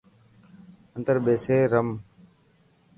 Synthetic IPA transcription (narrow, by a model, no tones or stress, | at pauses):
ənt̪əɾɓeːseːɾəm